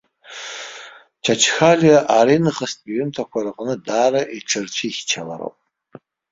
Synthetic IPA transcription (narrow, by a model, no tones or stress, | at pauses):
t͡ʃʰat͡ʃʰxalijaʔaɾinɨχastʼiɥʏntʰakʷaɾaqʼnɨdaːɾaʔiʈ͡ʂʰɨrt͡ʃʷʰiχʲt͡ʃʰala̰ɾo̰wpʼ